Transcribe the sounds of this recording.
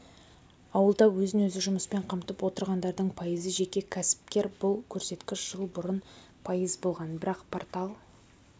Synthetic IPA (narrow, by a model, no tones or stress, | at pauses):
ɑwəlˠd̪ɑwɵzɪnwɵzɪʒʊməspe̞ɴqʰɑmt̪əpwo̞t̪əɾʁɑnd̪ɑɾd̪əɴpʰɑjəzəʒe̞kʲe̞kʲʰæsɪ̥p̚kʲe̞ɾbʊlˠkʲʰɵɾse̞t̪kʲɪʃʒ̥əlˠbʊɾən | pʰɑjəzbo̞lˠʁɑnbɪɾɑqpʰort̪ɑlˠ